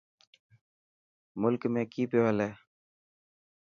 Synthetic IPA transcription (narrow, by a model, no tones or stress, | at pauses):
mʊlkmẽːkiːpeːʋəleː